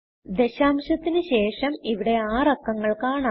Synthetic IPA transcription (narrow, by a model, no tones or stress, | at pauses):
d̪e̞ɕaːmɕɐt̪ːinɨɕe̞ːʂɐmiʋiɽe̞aːrɐkːɐŋːɐɭkaːɳa